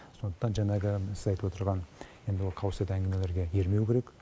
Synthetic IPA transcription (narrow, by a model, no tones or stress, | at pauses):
so̞nd̪əqt̪ɑnʒɑɴɑʁəsɪzɑjt̪əwo̞t̪əɾʁɑnje̞nd̪ɪwo̞lˠqʰɑwəset̪æŋɡʲɪme̞le̞ɾɡʲe̞je̞ɾme̞wkʲʰe̞ɾek